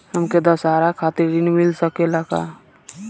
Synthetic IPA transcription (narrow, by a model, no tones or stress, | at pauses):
həmked̪əsaɾakʰaːt̪iɾinmilsəkelaka̰